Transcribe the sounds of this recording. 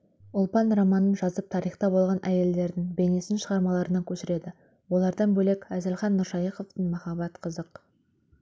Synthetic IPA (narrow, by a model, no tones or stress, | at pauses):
ʊlˠpɑnrɑmɑnənʒɑzəp̚t̪ʰɑɾijχt̪ɑbo̞lˠʁɑnʔæje̞ld̪e̞ɾd̪ɪŋbe̞ne̞sɪnʃəʁɑɾmɑlˠɑɾənɑkʲʰɵʃɪɾe̞d̪ɪ | wo̞lˠɑɾd̪ɑnbɵle̞kʲæzɪlχɑnːʊɾʃɑjiqo̞ft̪əɴmɑχɑbɑt̪qʰəzəq